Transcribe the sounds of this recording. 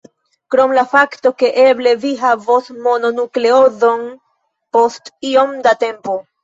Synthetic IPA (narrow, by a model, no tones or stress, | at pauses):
kɾo̞mlafakto̞ke̞ʔe̞ble̞viɦavosmo̞no̞nukle̞o̞zo̞n | po̞stio̞mdate̞mpo̞